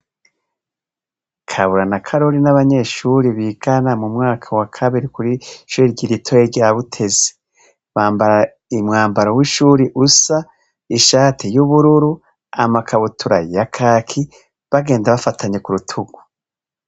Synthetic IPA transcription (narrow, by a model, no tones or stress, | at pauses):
kʰaβuɾanakʰaɾo̞ɾinaβaɲe̞ːʃuɾiβiɡ̥anamumŋaːkʰawakʰaβiɾikuɾiʃuɾiɾɟiɾitʰoeɾɟaβutʰe̞ze̥ | maːmba | imŋaːmbaɾawiʃuːɾiʔusa | iʃaːtʰijuβuɾuɾu | a̰makʰaβutʰuɾajakʰaːkʰi | βaɡe̞ːndaβafatʰaɲekuɾutʰuɡ̥u̥